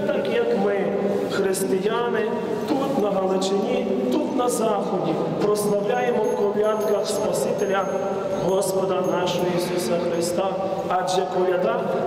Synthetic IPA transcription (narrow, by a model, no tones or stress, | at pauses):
t̪ɐkijɐkmɪ | xɾɪst̪ɪjanɪ | t̪ut̪nɐɦɐlˠɪt͡ʃenʲi | t̪ut̪nɐzɑxɔdʲi | pɾɔslˠɐwlʲajemɔkɔʋʲjat̪kɐxspɐsʲit̪elʲɐ | ɦɔspɔd̪ɐnɑʃɔɦɔisusɐxɾɪst̪ɑ | ɑd͡ʒɛkɔʋʲjɐd̪ɑ